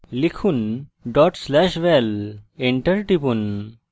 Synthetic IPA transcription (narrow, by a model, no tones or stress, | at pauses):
likʰunɖɔʈslɛʃʋeleɳʈəɾʈipun